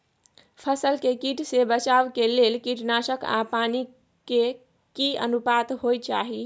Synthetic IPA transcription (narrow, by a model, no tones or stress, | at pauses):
pʰəsəlkekiʈsebət͡ʃabkelelkiʈnasəka̰pani | ke | kiə̰nupat̪ɦojt͡ʃaɦi